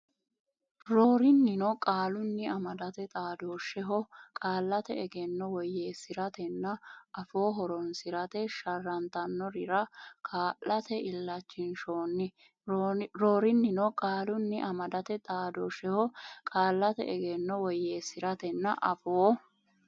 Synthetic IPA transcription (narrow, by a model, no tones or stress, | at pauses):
ɾoːɾɪnːɪnɔkʼaːlʊnːɪɐmɐd̪ɐt̪ɛt̪ʼaːd̪oːʃɛɦɔkʼaːlːɐt̪ɛ̰ɛɡɛnːɔwɔjːeːsɪɾɐt̪ɛnːɐʔɐfo̞ːɦɔɾɔnsɪɾɐt̪ɛʃɐrːɐnt̪ɐnːɔɾɪɾɐkʼaːlːɐt̪ɛɪlːɐt͡ʃːɪnʃoːnːɪ | ɾoːɾɪnːɪnɔkʼaːlʊnːɪʔɐmɐd̪ɐt̪ɛt̪ʼaːd̪oːʃɛhɔkʼaːlːɐt̪ɛ̰ɛɡɛnːɔwɔjːeːsɪɾɐt̪ɛnːɐʔɐfoː